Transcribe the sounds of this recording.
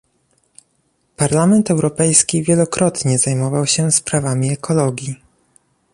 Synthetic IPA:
paɾlamɛnt̪ɛwɾɔpɛjskʲivʲjɛlɔkɾɔt̪ɲɛzajmɔvawɕɛspɾavamʲiɛkʰɔlɔɡʲji

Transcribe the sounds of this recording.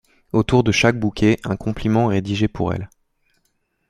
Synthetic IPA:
ot̪uʁd̪əʃak̚bukʲʰeʔɛ̃kɔ̃plimɑ̃ʁed̪iʒepuʁɛ̰l

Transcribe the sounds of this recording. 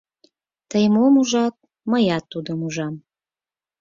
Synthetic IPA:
t̪əjmomuʒɑt̪̚ | məjɑt̪ːud̪əmuʒɑm

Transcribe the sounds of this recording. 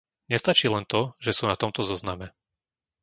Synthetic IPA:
ɲɛst̪at͡ʃiːlɛnt̪ɔʒɛsuːnat̪ɔmt̪ɔzɔznamɛ

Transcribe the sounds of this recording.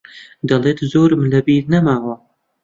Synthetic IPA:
d̪ɐlˠeːt̪zoːɾmlɐbiːnɐmaːwɐ

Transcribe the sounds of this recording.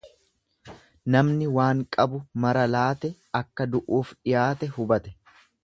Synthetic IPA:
nɐmnɪwaːŋkʼɐbʊmɐɾɐlaːt̪ɛ | ɐkːɐd̪ʊʔuːfᶑɪjaːt̪ɛhʊbɐt̪ɛ̥

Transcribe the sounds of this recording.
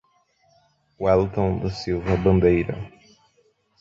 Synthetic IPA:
wɛlt̪õd̪ɐsiwvɐbɐ̃nd̪ejɾɐ̰

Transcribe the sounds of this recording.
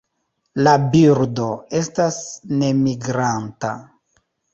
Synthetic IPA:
labiɾdo̞e̞stasne̞miɡɾanta̰

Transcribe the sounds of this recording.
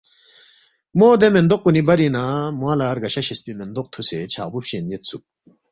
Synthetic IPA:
moːd̪emend̪oq̚ːunibɐɾinamwaːlaːɾɡɐɕɐɕist̪imend̪oq̚t̪ʰuset͡ɕʰa̰ːbupɕenjit̪sṵ

